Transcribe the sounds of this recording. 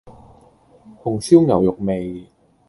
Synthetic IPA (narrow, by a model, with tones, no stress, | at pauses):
hʰo˨˧˩ŋsi˥˩˨wŋa˨˦wjo˨˩k̚me˧j